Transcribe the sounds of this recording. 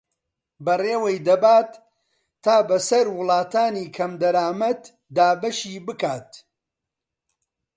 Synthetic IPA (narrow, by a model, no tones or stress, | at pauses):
bɐreːwejd̪ɐbaːt̪ʰː | aːbɐsɐɾwʊlˠɑːt̪aːniːkʰɐmd̪ɐɾaːmɐt̪ | d̪aːbɐʃiːbɨkaːt̪̚